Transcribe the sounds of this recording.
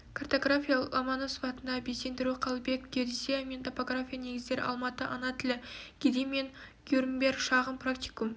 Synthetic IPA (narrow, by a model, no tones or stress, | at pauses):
kʰart̪oɡrafʲijalˠɑmɑnəsuvɑt̪ənd̪ɑbese̞nd̪ɪɾuqʰɑlˠbe̞kɡʲeɾsʲejament̪ʰopoɡrafʲijane̞ɡʲɪzd̪e̞ɾɪ̰ʔɑ̰lˠmɑt̪əʔɑnɑt̪ʰɪlɪɡ̥ʲed̪ijme̞nɡ̥ʲuɾmbʲe̞rkʃɑʁəmpʰrak̚t̪ʲi̥kum